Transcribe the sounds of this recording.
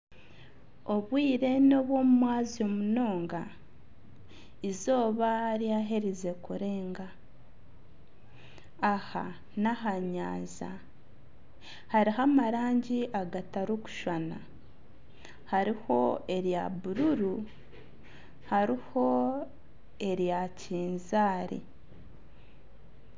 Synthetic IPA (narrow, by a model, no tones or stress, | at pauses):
o̞βwiːɾe̞noβwo̞ːmumwaːzio̞muno̞ːŋɡa | izo̞ːβaɾjaɦeɾize̞kuɾe̞ːŋɡa | aha | naɦaɲa̰ːza̰ | haɾiɦamaɾaːɲɟiʔaɡataɾuku̥ʃwana̰ | haɾiho̞̰e̞ɾjaβuɾuɾu | haɾiho̞ | e̞ɾjaciːnzaːɾḭ